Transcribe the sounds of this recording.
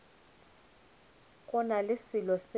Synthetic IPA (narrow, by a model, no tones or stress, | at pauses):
kʼʊnalɪsilɔs